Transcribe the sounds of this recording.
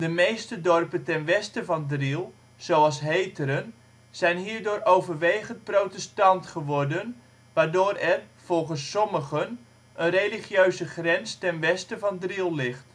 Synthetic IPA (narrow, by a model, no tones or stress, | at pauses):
dəmejstədɔrpəntɛnʋɛstəvɑndrilˠ | z̥owɑlˠsɦejtəɾən | z̥ɛjnɦiːrdoːɾowvərʋejχəntprowtɛstɑntχəʋɔrdən | ʋaːdoːɾɛrv̥ɔlˠχənsːɔməχən | ənrejliχjøɥzəχrɛnstɛnʋɛstəvɑndrilˠlɪχt